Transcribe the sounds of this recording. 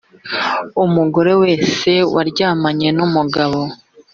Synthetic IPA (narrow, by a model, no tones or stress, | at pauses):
umuɡo̞ɾe̞we̞ːse̞waɾɟaːmaɲe̞numuɡaβo̞